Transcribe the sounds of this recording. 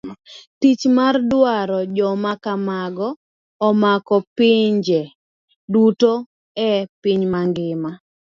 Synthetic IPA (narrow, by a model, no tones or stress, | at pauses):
t̪it͡ʃmardwaɾɔd͡ʒɔmakamaɡɔː | makɔpɪɲd͡ʒɛ | duto | ɛpɪɲmaŋɡɪma